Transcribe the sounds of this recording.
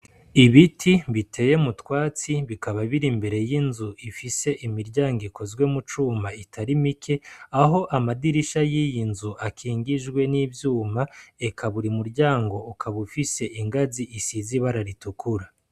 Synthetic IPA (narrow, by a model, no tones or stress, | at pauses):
iβitʰiβitʰe̞je̞mutwaːt͡siβikaβaβiɾimbe̞ɾe̞jinzuʔifise̞ʔimiɾɟaːŋɡiko̞zɡwe̞mut͡ʃuːmaitʰaɾimikʰe̞aɦo̞ʔamadiɾiʃajijinzuʔakʰiːŋɡiʒɡwe̞niːvjuːmaekʰaβuɾimuɾɟaːŋɡo̞ukʰaβufise̞ʔiŋɡaziʔːsiziβaɾaɾitukuɾa